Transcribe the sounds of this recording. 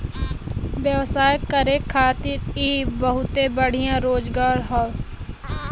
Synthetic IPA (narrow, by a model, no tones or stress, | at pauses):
ʋjəʋsaːjkəɾekʰːaːt̪iːɾibəɦʊt̪ebəɽ̤ijãɾoːd͡ʒɡaːɾɦaː